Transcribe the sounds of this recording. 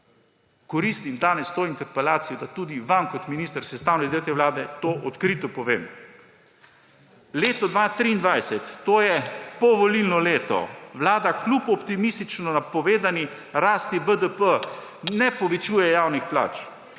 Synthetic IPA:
kɔɾist̪imd̪aːnɛst̪oːint̪ɛɾpɛlaːt̪sijɔd̪at̪uːd̪iʋamkɔt̪minist̪əɾsɛst̪aːwnɛd̪eːwk̪ɛʋlaːd̪ɛt̪oːʔɔt̪kɾiːt̪ɔpɔʋeːm | leːt̪ɔd̪ʋaːt̪ɾiːnd̪ʋajsɛt̪ːoːjɛpɔʋɔlilnɔleːt̪ɔ̰ʋlaːd̪aklupɔpt̪imist̪it͡ʃnɔnapɔʋeːd̪ani | ɾaːst̪ibəd̪əpənɛpɔʋɛt͡ʃuːjɛjaːwnixpla̰ːt͡ʃ

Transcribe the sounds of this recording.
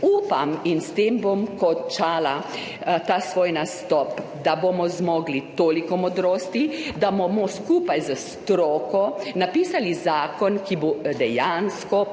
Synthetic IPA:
uːpaminst̪eːmbomkɔt͡ʃaːla | t̪aːsʋoːjnast̪ɔpd̪abomɔzmɔɡlit̪oːlikɔmɔd̪ɾoːst̪id̪abomɔskuːpajzast̪ɾɔːkɔnapiːsalizaːkɔnkiboːd̪ɛjanskɔ

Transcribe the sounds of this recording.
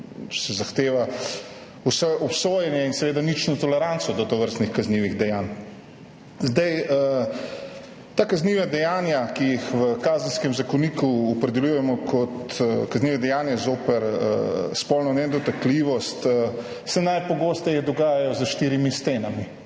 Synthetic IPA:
sɛzaxt̪eːʋa | usɛʔɔpsoːjɛnjɛinsɛʋeːd̪anit͡ʃnɔt̪ɔlɛɾantsɔd̪ɔt̪ɔʋəɾst̪nixkazniʋiɣd̪ɛjaːn | zd̪aj | t̪akazniʋad̪ɛjaːnjakijixʋəkazənskɛmzakɔnikuɔpɾɛd̪ɛljujɛmɔkʰɔt̪kazniːʋɛd̪ɛjaːnjɛzoːpɛɾə̰spɔlnɔnɛd̪ɔt̪akliʋɔst̪ə | sɛnajpɔɡoːst̪ɛjɛd̪ɔɡaːjajɔzəʃt̪iːɾimist̪enami

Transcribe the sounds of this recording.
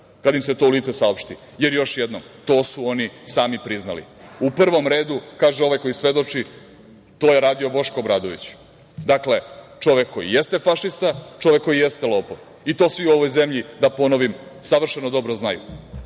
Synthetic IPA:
kad̪imset̪o̞uliːt̪sesaopʃt̪i | je̞ɾjo̞ʃjed̪nomt̪o̞ːsuo̞nisaːmipɾizna̰lḭupr̩ʋo̞mɾe̞ːd̪ukaːʒeo̞ʋajko̞jisʋe̞d̪o̞t͡ʂi | t̪o̞ːjeɾaːd̪io̞bo̞ʃkobɾaːd̪oʋḭt͡ɕ | d̪akle̞t͡ʂo̞ʋekkːo̞jḭjest̪e̞faʃist̪at͡ʃo̞ʋekːo̞jijest̪e̞lˠo̞ːpoʋ | it̪o̞ːsʋiuo̞ʋo̞jze̞mʎid̪apo̞no̞ʋimsaʋr̩ʃenod̪o̞bɾoznajṵ

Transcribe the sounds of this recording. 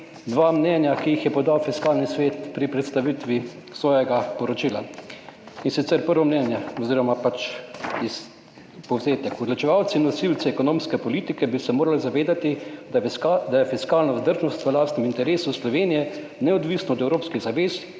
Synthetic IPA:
d̪ʋaːmnɛnjakiixjɛpɔd̪awfiskaːlnisʋeːt̪pɾipɾɛt̪st̪aʋit̪ʋi | sʋɔːjɛɡapɔɾɔt͡ʃiːla | insit̪sɛɾpəɾʋɔmnɛnjɛɔziːɾɔmapat͡ʃis | pɔwzeːt̪ɛkɔd̪lɔt͡ʃɛʋawt̪sinːɔsilt̪t͡s̪ɛːkɔnoːmskɛpɔliːt̪ikɛbisɛmoːɾalizaʋeːd̪at̪i | d̪ajɛfiskaːlnɔzd̪əɾʒnɔst̪ʋəlaːst̪nɛmint̪ɛɾeːsuslɔʋeːnijɛ | nɛɔd̪ʋisnɔɔd̪ɛwɾoːpskiɣzaʋeːs

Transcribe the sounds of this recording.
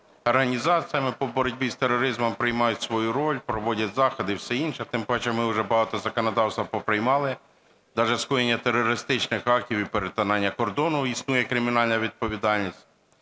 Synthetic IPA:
ɔrɦɐnʲizɑt͡sʲijɐmɪpɔbɔɾɔdʲbʲist̪eɾːɔɾɪzmɔmpɾɪjmɑjʊtʲsʋɔjuɾɔlʲpɾɔʋɔdʲɐtʲzɑxɔd̪ɪwsɛinʃɛt̪ɪmpɔɛt͡ʃɛmɪʊʒɛbɐɦɑt̪ɔzɐkɔnɔd̪ɑwst̪ʋɐpɔpɾɪjmɑlˠɪ | d̪ɑʒɛskujenʲːɐt̪eɾːɔɾɪst̪ɪt͡ʃnɪxɑk̚tʲiwipeɾet̪ɐnɑnʲːɐkɔrd̪ɔnʊisnujɛkɾɪmʲinɑlʲnɐʋʲid̪̚pɔʋʲid̪ɑlʲnʲisʲt̚ʲ

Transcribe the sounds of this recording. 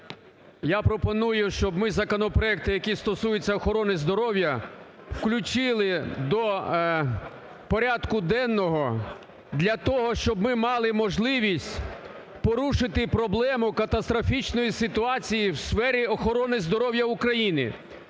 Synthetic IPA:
japɾɔpɔnujʊʃt͡ʃɔbmɪzɐkɔnɔpɾɔɛk̚t̪ɪjɐkʲist̪ɔsujet͡sʲːɐɔxɔɾɔnɪzd̪ɔɾɔwjɐ | wklʲʊt͡ʃɪlˠɪd̪ɔ | pɔɾʲad̪kʊd̪ɛnːɔɦɔ | d̪lʲɐt̪ɔɦɔʃt͡ʃɔbmɪmɑlˠɪmɔʒlˠɪʋʲisʲtʲ | pɔɾuʃɪt̪ɪpɾɔblˠɛmʊkɐt̪ɐst̪ɾɔfʲit͡ʃnɔjisɪt̪ʊɑt͡sʲijiwsfɛɾʲiɔxɔɾɔnɪzd̪ɔɾɔwjɐʊkɾɐjinɪ̰

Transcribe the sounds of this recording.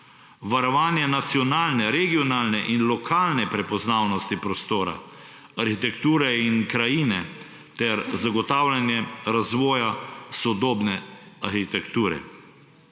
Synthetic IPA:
ʋaɾɔʋaːnjɛnat̪sjɔnaːlnɛɾɛɡiɔnaːlnɛʔinlɔkʰaːlnɛpɾɛpɔznaːwnɔst̪ipɾɔst̪oːɾa̰ | aɾxit̪ɛkt̪uːɾɛinkɾajiːnɛ | t̪ɛɾzaɡɔt̪aːwlʲanjɛɾazʋɔːjasɔd̪oːbnɛaɾxit̪ɛkt̪uːɾɛ̰

